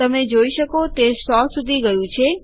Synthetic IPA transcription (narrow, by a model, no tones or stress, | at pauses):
əmed͡ʒoiʃəkot̪esɔsud̪ʱiɡəjũt͡ʃʰe